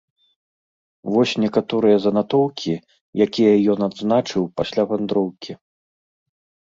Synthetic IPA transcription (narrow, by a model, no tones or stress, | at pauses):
vɔsʲnʲɛkat̪ɔɾɨjɐzɐnat̪ɔwkʲi | jakʲijɐjɔnad̪znat͡ʂɨwpasʲlʲavand̪ɾɔwkʲʰi